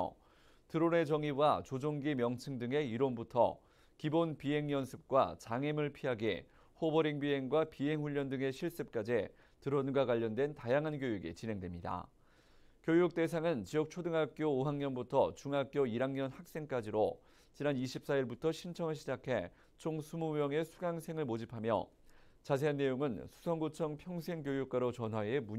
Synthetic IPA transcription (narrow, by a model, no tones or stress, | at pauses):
tɯɾone̞t͡ɕʌŋiwat͡ɕod͡ʑoŋɡimjʌŋt͡ɕʰɯŋdɯŋe̞iɾonbutʰʌ̰ | kibonpiɦe̞ŋjʌnsʰɯp̚k͈wa̰t͡ɕaŋemɯɭpʰiɦaɡḛ | hobʌɾiŋbiɦe̞ŋɡwapiɦe̞ŋɸuʎːʌndɯŋe̞ɕʰiɭs͈ɯp̚k͈ad͡ʑe | tɯɾonɡwakwaʎːʌndwe̞ntajaŋɦanɡjojuɡḭt͡ɕinɦe̞ŋdwe̞mɲida̰ | kjojuk̚t͈e̞s̬ʰaŋɯnt͡ɕijʌk̚t͡ɕʰodɯŋɦak̚k͈joːɦaŋɲʌnbutʰʌt͡ɕuŋɦak̚k͈joiɾaŋɲʌnhak̚s͈e̞ŋk͈ad͡ʑiɾo | t͡ɕinaniɕʰip̚s͈aiɭbutʰʌɕʰimt͡ɕʰʌŋɯɭɕʰid͡ʑakʰe̞ | t͡ɕʰoŋsʰumumjʌŋe̞sʰuɡaŋsʰe̞ŋɯɭmod͡ʑipʰamjʌ̰ | t͡ɕas̬ʰe̞anːe̞joŋɯnsʰu̥sʰʌŋɡot͡ɕʰʌŋpʰjʌŋsʰe̞ŋkjojuk̚k͈aɾot͡ɕʌnɦwaemuɲ